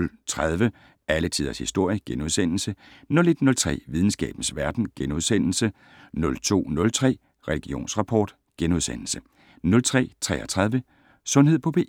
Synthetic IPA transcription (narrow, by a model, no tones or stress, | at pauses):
lt͡sʰʁað̞ˠʋə | ælət͡sʰið̰ˠɐshisd̥o̝ɐ̰jəɡ̥enuð̞ˠsen̰l̩sənɔ̽le̝d̥nɔ̽lt͡sʰʁɛ̰ːʋið̞ˠn̩sɡ̥ɛ̰ːb̥n̩sʋæɐd̥n̩ɡ̥enuð̞ˠsen̰l̩sə | nɔ̽lt͡sʰo̝̰ːnɔ̽lt͡sʰʁɛ̰ː | ʁɛliɡ̥io̝̰ːnsʁɑ̈pʰɒ̰ːd̥ | ɡ̥enuð̞ˠsenl̩sə | nɔ̽lt͡sʰʁɛ̰ːt͡sʰʁɛ̰ːɒt͡sʰʁɑð̞ˠʋə | sɔ̽nhe̝ð̞̰ˠpʰɒ̽b̥ʰe̝